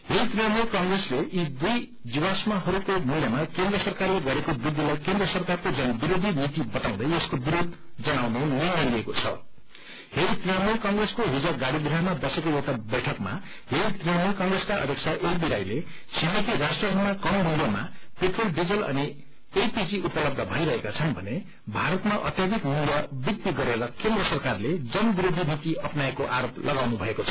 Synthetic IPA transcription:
heɾit̪riamujkʌŋɡresleʔid̪uj | d͡ziwasmaɦʌɾukomuljamakend̪ɾrʌsʌrkarleɡʌɾekobid̪ːilʌjkend̪rʌsʌrkarkod͡zʌnbiɾod̪ʱinit̪ibʌt̪aw̃d̪ʌjeskobiɾod̪̚ʱd͡zʌɽ̃awnenʌjnaliekot͡sʰʌ̰ | heɾit̪rijamujkʌŋɡreskoɦid͡zaɡaɽid̪ɾiɦʌmabʌsekoewʈabʌjʈʰʌkma̰ | ɦeɾit̪rijamulkʌŋɡreskaʔʌ̰b̪ek̚t͡sʰaʔeibiɾajle | sʰibipiɾasʈrʌbʱʌɾmakʌmmulamapeʈrolɖid͡zʌlʌ̰ni | ejpid͡ziupʌlʌb̚d̪ʱʌbʱʌjɾʌɦekat͡sʰʌnbʱʌne | bʱaɾʌt̪maʔʌ̰t̪jad̪ʱikmulabik̚t̪iɡʌɾeɾʌkend̪rʌsʌrkarled͡zʌnbiɾod̪ʱinit̪iʌpnaekoʔaɾoplʔʌɡawnubʱʌekot͡sʰʌ̥

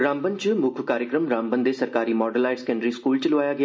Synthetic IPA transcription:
ɾãːmbənt͡ʃəmʊkʰʋkaːɾjəkɾəmɾãːmbənd̪esɐɾkaːɾimɔːɖəlaːɪʈskɛ̃ɳɖɾiskuːlt͡ʃəlʊʋaːjaɡɪ

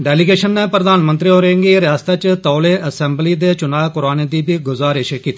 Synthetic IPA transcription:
ɖɛːlɪɡeːʃənːeːpɾəd̪aːnmənt̪ɾioːɾẽːŋɡiːɾɪjaːst̪aːt͡ʃt̪ɔːleːʔəsɛːmbliːd̪eːt͡ʃʊnaːkʊɾaːneːd̪iːbʱiːɡʊzaːɾɪʃkiːt̪ː

